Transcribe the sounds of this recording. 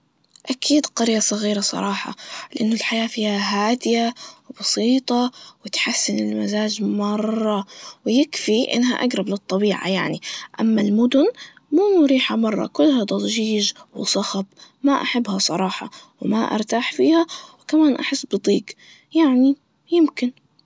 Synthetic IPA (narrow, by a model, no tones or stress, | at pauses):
ʔakʰiːd̪qɑɾjasˤɑɣiːɾɑsˤɑ̰ɾˤɑːħɑ̰lɪʔanːʊlħajaːfiːhaɦaːd̪ɪjawbɑsiːt̪ˤɑwɪt̪ħasːɪnɪlmazaːd͡ʒmɑrˤrˤːɑwɪjɪkfiʔɪ̰nːɦa̰ʔaɡɾˤɑblɨt̪ˤːɑbiːʕa̰ja̰ʕniʔa̰mːalmʊd̪ʊn | muːnʊɾiːħhamɑrˤːɑ̰kʊlːhad̪ˤɑzˤʒiːʒwɪ̰sˤɑxɑb̚maʔaħabːhasˤɑɾˤɑːħɑ̰wɪmaʔɑ̰ɾˤt̪aːħfiːhawkamaːnʔa̰ħɪsːbɨd̪ˤiːɡ | jaʕni | jɪmkɪn